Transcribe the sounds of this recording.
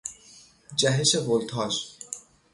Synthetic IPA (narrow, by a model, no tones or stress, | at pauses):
d͡ʑɛɦeʃebolt̪ʰɔʃ